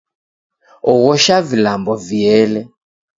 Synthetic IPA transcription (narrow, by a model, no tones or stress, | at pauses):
ɔɣɔʃavilambɔviɛlɛ